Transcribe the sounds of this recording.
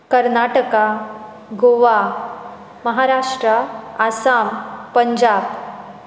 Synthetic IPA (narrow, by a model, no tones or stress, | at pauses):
kəɾnaʈəka | ɡoʋa | məɦaɾaʂʈɾəasampəɲd͡ʑaːb